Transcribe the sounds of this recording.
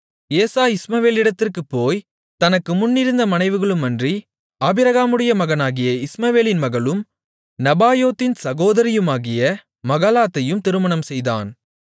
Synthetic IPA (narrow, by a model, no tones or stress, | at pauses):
eːsaːɪsmɐʋeːlɪɽɐt̪ːɪrkɯpːoːj | t̪ɐnɐkːɯmʊnːɪɾɯnd̪ɐmɐnɐɪʋɯɣɐɭɯmːɐndri | aːbɪɾɐɣaːmɯɽɐjɐmɐɣɐnaːɣɪjɐɪsmɐʋeːlɪnmɐɣɐɭɯm | nɐbaːjoːt̪ːɪnsɐɣoːðɐɾɪjɯmaːɣɪjɐ | mɐɣaːlaːt̪ːɐjɯmt̪ɪɾɯmɐnɐmsɛjða̰ːn